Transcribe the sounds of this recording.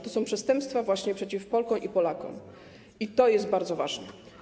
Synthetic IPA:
t̪ɔsɔ̃w̃pʂɛst̪ɛmpst̪favwaɕɲɛpʂɛt͡ɕifpɔlkɔ̃w̃ʔipɔlakɔ̰̃w̃ | it̪ɔjɛsdt̪̚baɾd̪zɔvaʐnɛ

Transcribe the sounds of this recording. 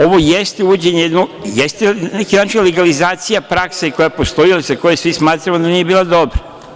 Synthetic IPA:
o̞ʋo̞jest̪euud͡ʑeɲejed̪nojest̪enekinaːt͡ʃileɡalizaːt̪sijapɾakseiko̞japost̪o̞ilasako̞jesʋismaːt̪ɾamod̪anije̞biːlˠad̪o̞bɾa

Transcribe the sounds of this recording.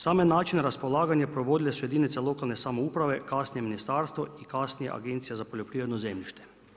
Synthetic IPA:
saːmenaːt͡ʃineɾaspolaːɡanjapɾoʋoːd̪ilesujed̪iːnit̪seloːkalnesamouːpɾaʋekaːsnijeminist̪aːɾst̪ʋoikasnijḛʔa̰ɡent̪sijezapoʎʲopɾiʋɾed̪nozemʎiʃt̪e

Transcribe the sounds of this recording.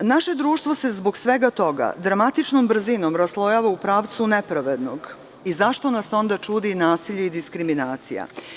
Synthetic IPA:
naʃe̞d̪ɾuːʃt̪ʋo̞se̞zbo̞ɡsʋe̞ɡat̪o̞ɡa̰d̪ɾamat̪it͡ʃnombɾ̩zinomɾaslˠo̞jaːʋaupɾaːʋt̪sune̞pɾaʋed̪no̞ɡ | izaʃt̪o̞naso̞nd̪at͡ʃuːd̪inaːsiʎeid̪iskɾiminaːt̪sḭja̰

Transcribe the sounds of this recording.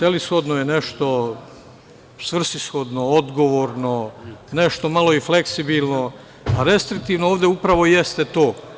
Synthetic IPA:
selisxo̞d̪nojeneʃt̪o̞ | sʋr̩sisxo̞d̪nood̪ɡo̞ʋoːɾno̞neʃt̪o̞malo̞ifleksibilˠno̞ | aɾe̞st̪ɾik̚t̪iʋnooːʋd̪eupɾaʋo̞jest̪et̪oː

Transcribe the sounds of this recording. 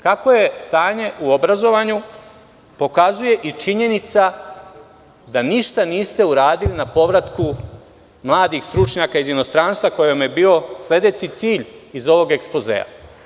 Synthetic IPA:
kako̞je̞st̪aːɲe̞ʔuo̞bɾazo̞ʋaɲu | po̞kazuje̞ʔit͡ʃiɲe̞nit̪sa | d̪aniʃt̪aniːst̪e̞uɾaːd̪ilinapo̞ʋɾat̪ku | mlˠaːd̪ixst̪ɾut͡ʃɲakaizino̞st̪ɾaːnst̪ʋako̞jomje̞biːo̞slʲe̞d̪e̞t͡ʃit̪siːʎizo̞ʋo̞ɡe̞kspo̞zḛːa̰

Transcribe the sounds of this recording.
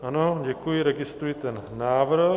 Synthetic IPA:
ɐnoɟɛkuiɾɛɡɪst̪ɾuit̪ɛnnaːʋɾɦ

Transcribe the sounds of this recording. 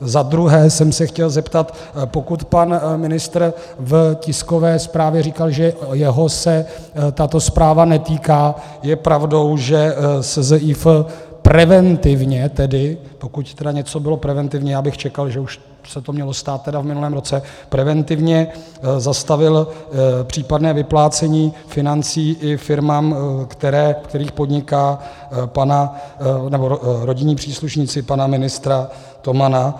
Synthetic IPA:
zad̪ɾuɦɛːsɛmsɛxcɛlzɛpt̪at̪ | po̞kut̪panmɪnɪst̪ɾ | vcɪsko̞vɛːspɾaːvjɛriːkalʒɛjɛɦo̞sɛ | t̪at̪o̞spɾaːvanɛt̪iːkaː | jɛpɾavdo̞wʒɛsɛzɛʔifpɾɛvɛnt̪ɪvɲɛt̪ɛdɪpo̞kuct̪ɛdaɲɛt͡so̞bɪlo̞pɾɛvɛnt̪ɪvɲɛjaːbɪxt͡ʃɛkalʒɛuʃ | sɛt̪o̞mɲɛlo̞st̪aːt̪̚ːɛdavmɪnulɛːmɾo̞t͡sɛpɾɛvɛnt̪ɪvɲɛ | zast̪avɪlpr̝̥iːpadnɛːvɪplaːt͡sɛɲiːfɪnant͡siːʔɪfɪɾmaːmkt̪ɛɾɛːfkt̪ɛɾiːxpo̞dɲɪkaː | pananɛboɾo̞ɟɪɲiːpr̥iːsluʃɲiːt͡sɪpanamɪnɪst̪ɾa | t̪o̞mana

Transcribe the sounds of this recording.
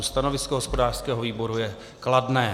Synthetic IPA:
st̪ano̞vɪskoɦospo̞daːr̥skɛːɦoviːbo̞ɾujɛ | kladnɛː

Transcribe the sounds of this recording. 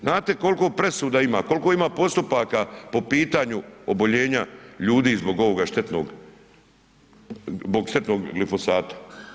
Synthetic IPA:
znaːt̪e̞ko̞lkopɾe̞suːd̪aimaːko̞lko̞imaːpo̞st̪upakapo̞piːt̪aɲuobo̞ʎe̞ːɲaʎuːd̪iːzbo̞ɡo̞ʋo̞ɡaʃt̪et̪no̰ɡ | boɡʃt̪e̞t̪no̞ːɡɡlifo̞saːt̪ḁ

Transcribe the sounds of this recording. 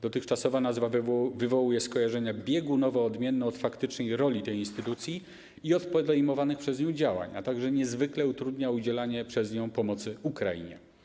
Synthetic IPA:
d̪ɔt̪ɘxt͡ʂasɔvanazvavɘvɔwujɛskɔjaʐɛɲabʲjɛɡunɔvɔɔd̪mʲjɛnːɛɔt̪fakt̪ɘt͡ʂnɛjɾɔlʲit̪ɛjinst̪ɘt̪ut̪sʲji | iɔt̪pɔd̪ɛjmɔvanɘxpʂɛzɲɔ̃w̃d͡ʑawa̰ɲa̰t̪aɡʐɛɲɛzvɘklɛut̪ɾud̪ɲaud͡ʑɛlaɲɛpʂɛzɲɔ̃w̃pɔmɔt̪sɘukɾa̰ḭɲɛ̰

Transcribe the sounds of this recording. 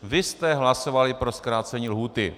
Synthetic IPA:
vɪst̪ɛɦlaso̞valɪpɾo̞skɾaːt͡sɛɲiːlɦuːt̪ɪ̰

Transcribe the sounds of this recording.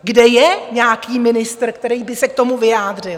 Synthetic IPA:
ɡdɛjɛɲaːkiːmɪnɪst̪r̩kt̪ɛɾiːbɪsɛk̚t̪o̞muvɪjaːd̪r̝ɪl

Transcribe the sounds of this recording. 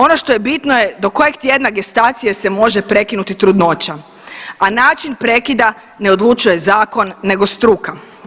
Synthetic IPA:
o̞no̞ʃt̪o̞je̞bit̪noje̞d̪o̞ko̞jeɡt̪ʲje̞d̪naɡe̞st̪at̪sije̞se̞mo̞ʒepɾe̞kinut̪it̪ɾud̪no̞t͡ʃa | anaːt͡ʃinpɾe̞kid̪a | ne̞o̞d̪lˠut͡ʃuje̞zaːko̞nːe̞ɡo̞st̪ɾuːka

